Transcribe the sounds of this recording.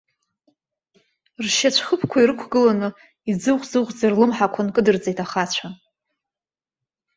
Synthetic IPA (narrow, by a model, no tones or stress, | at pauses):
rʃat͡ɕʷʰχəpʰkʷʰaiɾɨkʷʰɡɨlanɨ | id͡zɨχʷd͡zɨʁʷd͡zarlɨmħakʷʰankʼɨdɨrd͡zʼejtʰaχat͡ɕʷʰa